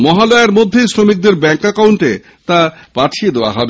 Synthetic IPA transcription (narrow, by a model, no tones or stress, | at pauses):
mɔɦaloeɾmod̪ʱːejsɾomik̚d̪eɾbɛŋkakawɳʈe | t̪apaʈʰied̪eoa̰ɦɔbe